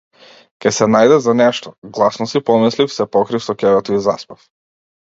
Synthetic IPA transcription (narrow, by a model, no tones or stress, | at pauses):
kʲɛsɛnajd̪ɛzanɛʃt̪ɔɡlˠasnɔsipɔmɛslifsɛpɔkɾifsɔkɛvɛt̪ɔizaspɛf